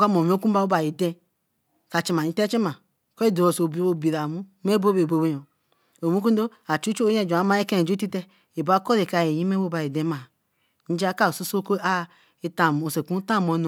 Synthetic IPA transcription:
ka˦mo˨m˦o˦ku˦ba˦o˦ba˨ji˨dɛ˦ | ka˨t͡ʃi˨m˨a˨ɲĩ˨˦te˦t͡ʃi˦ma˨ | kɔ˦i˦du˨o˨so˨bi˨o˨bi˨ɾa˨mu˦me˦bo˦be˨bo˨be˦jo˨ | o˨mu˦k̬u˦do˦a˨t͡ʃu˦t͡ʃo˦jẽ˦˨d͡ʒa˨˦ma˦e˦kẽ˦˨d͡ʒo˦ti˦te˦ | e˨ba˦ko˦ɾe˨ka˨je˨ji˦me˦bo˦ba˨ji˨dẽ˦ma˨ | n̩˦d͡ʒa˦ka˦o˨su˦so˦ko˦a˦ | e˨ta˨o˨se˨ku˦ta˦˨mo˨˦n˨

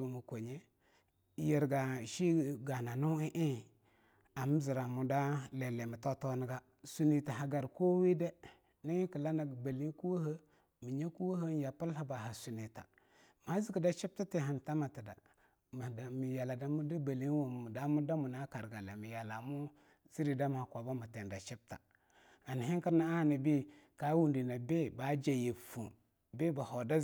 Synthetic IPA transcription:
u˨mu˨ko˨ɲe˦˨ | je˨ɾɡa˨ʃi˦ɡa˨na˨nu˦i˦ʔi˦˨ | a˨m˦zi˨ɾa˨mu˨da˦le˨le˨mi˨to˦to˦ni˦ɡa˦ | su˨ni˨ta˨ɦa˨ɡa˨ɾko˦wi˦de˦ | ni˦i˦ki˨la˦na˨ɡba˨li˦n˦ku˦wo˦hə˦ | mi˨ɲe˦ku˦wo˦ɦə˦n˦ja˨pə˦lha˦ba˨ɦa˨su˨ni˨ta̰˨ | m˨a˨˦zi˦ki˨da˦t͡ʃi˦p̚ta˦te˨ɦa˨n˨ta˦ma˨ti˨da̰˨ | mi˨ja˨la˨da˨mu˦di˦ba˨li˦n˦wo˨u˨da˦mu˦da˦mu˨na˦ka˨ɾɡa˨la˨mi˨ja˨la˨mu˦ | zi˦ɾi˨da˦m˨ha˨kʷa˨ba˦mu˨te˨nda˨t͡ʃi˦p̚ta̰˨ | a˨n˨ɦi˦ki˦ɾna˦a˦˨ni˨bi˦ | ka˦wu˦˨ndi˨na˨be˦ba˨˦d͡ʒa˨je˨fu˨ | be˦ba˨ho˨da˦

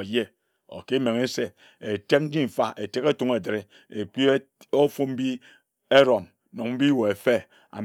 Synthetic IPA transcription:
je˦ | o̰˨ke˦me˨ŋe˦se˦ | e˨te˦k̚n̩˦d͡ʒi˦m̩˨fa˦ʔe˨te˦ke˦tu˦ŋe˨de˨ɾe˨ | e˨k͡pi˦ | o˦fu˦m̩˦bi˦ | e˦ɾo˨m | no˨ŋm̩˦bi˦wo˨e˨fe˦ | a̰˨

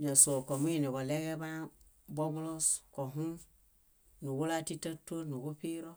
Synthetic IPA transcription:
ɲa˨so˨ko˨mu˦ji˨ni˨bo˨le˦ɡe˦ba˦ | bo˦bu˦lo˦sko˨ɦũ˦ | nu˨wu˦la˦ti˦tːa˦to˦nu˨ɡo˦pi˦ɾo˦

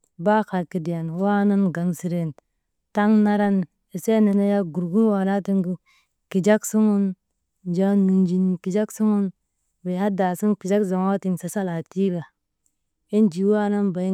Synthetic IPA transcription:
ba˦ka˨lki˨di˨ja˨nwa˦na˦nɡa˨nsi˨ɾe˨n | ta˦ŋna˦ɾa˦n | e˨se˦ne˨na˦ja˦ɡu˨ɾɡu˦ɾwa˨na˦ti˦ŋɡu˦ | ki˨d͡ʒa˦ksu˦mu˦n | d͡ʒa˦nːu˨nd͡ʒi˨n˨ki˨d͡ʒa˦ksu˦mu˦n | be˨ha˦da˨si˦npi˨d͡ʒa˦kza˨ma˦ti˦nsa˨sa˦la˨ti˦ba˨ | i˦nd͡ʒi˨wa˦na˦nba˨˦

